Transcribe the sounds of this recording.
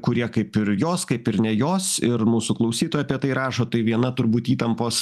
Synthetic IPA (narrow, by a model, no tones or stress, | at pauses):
kʊɾʲiɛkɐɪpɪɾjoːskɐɪpɪɾnʲɛjoːsɪɾmuːsuklˠɐʊsʲiːt̪oːjɐpʲiɛt̪ɐɪɾɑːʃoːt̪ɐɪʋʲiɛnɐt̪ʊɾbuːt̪iːt̪ɐmpoːs